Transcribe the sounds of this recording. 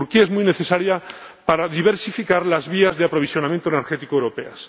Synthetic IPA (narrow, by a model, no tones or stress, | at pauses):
uɾkiaezmujne̞θe̞saɾja | paɾaðiβ̞e̞ɾsifikaɾlazβiazðeapɾo̞β̞isjo̞namjent̪oeneɾxet̪ikoewɾo̞pe̞̰a̰s